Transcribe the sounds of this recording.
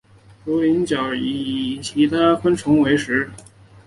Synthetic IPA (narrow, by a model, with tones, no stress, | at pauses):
lo˧˥ʊli˧˥nt͡ɕjɑ˨˩ʊi˧˨˩t͡ɕʰi˧˥t̪ʰa˥xwə˥nʈ͡ʂʰʊ˧˥ŋwe˧˥ɪʂɻ̩˧˥